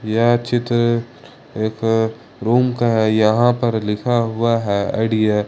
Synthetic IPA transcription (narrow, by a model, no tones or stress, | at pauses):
jat͡ʃɪt̪ɾ | eːk | ɾuːmkaɦɛjɐɦãpɐɾlɪkʰaɦʊaɦɛːɐ̰ɽija